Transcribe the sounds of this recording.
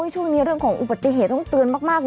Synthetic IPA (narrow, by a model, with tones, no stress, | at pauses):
jt͡ɕʰu˥˩əŋniː˦˥ɾɯ˥˩əŋkʰɔː˩˦ŋʔu˨˩ba˨˩t̪ːi˧˩˨ɦeː˨˩t̪ːɔ˥˩t̪ɯ˧ənmaː˥˩k̚maː˥˩k̚